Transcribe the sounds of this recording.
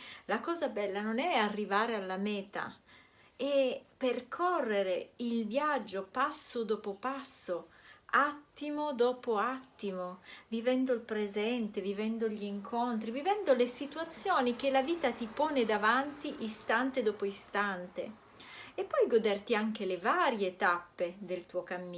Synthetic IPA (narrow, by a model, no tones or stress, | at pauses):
lakɔːzabɛlːanonɛarːivaːɾealːamɛːt̪a̰ | ɛperkʰɔrːeɾeilvjad͡ʒːopasːod̪ɔːpopasːoat̪ːimod̪ɔːpoat̪ːimovivɛnd̪oilpɾezɛnt̪evivɛnd̪oʎiːŋkʰont̪ɾivivɛnd̪olesit̪uat̪sːjoːnik̟elaviːt̪at̪ipɔːned̪avant̪iʔist̪ant̪ed̪ɔːpoist̪ant̪ḛ | epːɔjɡod̪ert̪iaŋk̟elevaːɾjet̪apːed̪elt̪uokamːiː